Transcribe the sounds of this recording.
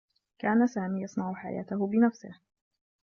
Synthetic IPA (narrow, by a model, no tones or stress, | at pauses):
kaːnasaːmiːjɑsˤnɑʕʊħa̰ja̰ːt̪ahʊbɪnafsɪ̰h